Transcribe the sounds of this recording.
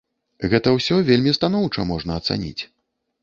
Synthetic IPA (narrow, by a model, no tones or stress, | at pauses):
ɣɛt̪ɐwsʲɔvʲelʲmʲist̪an̪ɔwt͡ʂɐmɔʐnɐːt̪sa̰nʲḭt͡sʲ